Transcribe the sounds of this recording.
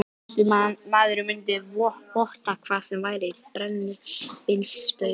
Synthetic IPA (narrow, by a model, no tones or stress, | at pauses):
sɪamaːðʏɾʏmʏnt̪ɪvɔpɔht̪akʰv̥aːðsɛmvaːjɾɪipɾɛnːɪpɪlsst̪œ